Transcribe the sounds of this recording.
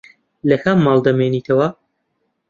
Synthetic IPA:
lɐxamːɑːlˠd̪ɐmeːniːt̪ʰɐwɐ

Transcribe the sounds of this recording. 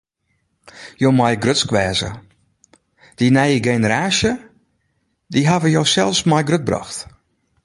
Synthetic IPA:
joːmajɡrøtskʋɛːzə̰ | d̥inɛjəɡenəɾaːsjə | diɦavəjoːsɛlˠfsmɔjɡrøt̚brɔ̰xt

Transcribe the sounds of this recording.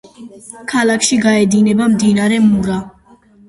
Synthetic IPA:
kʰalakʰʃiɡaɛd̪inɛbamd̪inaɾɛmuɾa

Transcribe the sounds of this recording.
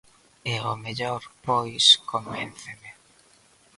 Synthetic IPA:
eomeʎoɾpojskomenθeme

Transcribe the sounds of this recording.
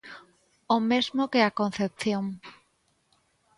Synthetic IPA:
omezmokeakon̟θep̚θjoŋ

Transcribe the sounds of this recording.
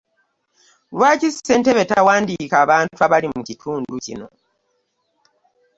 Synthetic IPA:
lwacise̞nteβe̞tawaːndikaːβaːntuaβalimucitʰuːnducḭno̞̰

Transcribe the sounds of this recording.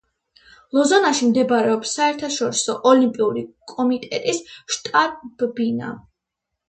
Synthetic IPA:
lˠɔzɔnaʃimd̪ɛbaɾɛɔpsːaɛɾt̪ʰaʃɔɾisɔʔɔlimpʼiuɾikʼɔmit̪ʼɛt̪ʼisʃt̪ʼaɾb̥bina̰

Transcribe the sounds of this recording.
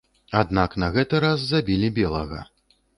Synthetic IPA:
ad̪naknɐɣɛt̪ɨɾasːabʲilʲibʲɛlˠɐɣɐ̰

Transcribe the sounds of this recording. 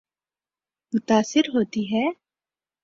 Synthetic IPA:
mʊt̪aːsɪɾɦoːt̪iɦɛː

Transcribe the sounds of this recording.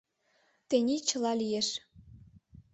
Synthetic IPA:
t̪enʲit͡ɕə̆lɑlijeʃ

